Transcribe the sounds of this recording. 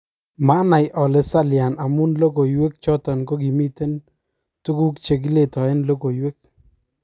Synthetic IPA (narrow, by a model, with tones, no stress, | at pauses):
ma˦na˨jʔɔ˨le˨sa˦lja˨na˨mu˦nlo˦ko˨jwe˦k̚t͡ʃɔ˦tɔ˨nko˦ɡi˨mi˦te˦n | tu˦ku˦kt͡ʃe˨ɡ̬i˦le˦˨tɔ˨ɛ˦nlo˦ko˨jwe˦k̚